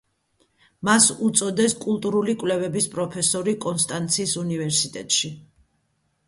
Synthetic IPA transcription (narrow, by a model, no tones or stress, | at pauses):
masut̪sʼɔd̪ɛskʼulˠt̪ʼuɾulikʼwlɛvɛbispʼɾɔpʰɛsɔɾikʼɔnst̪ʼant̪sʰiːsunivɛɾsit̪ʼɛ̰t̪ʼʃi